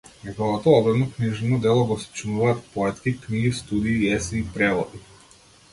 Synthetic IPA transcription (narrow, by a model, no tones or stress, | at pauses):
nɛɡɔɔt̪ɔɔbɾɛnɔkniʒɛnɔd̪ɛlˠɔɡɔst͡ʃnuvaːt̪pɔɛt̪kikniɡist̪ud̪iːɛsɛːpɾɛvɔd̪i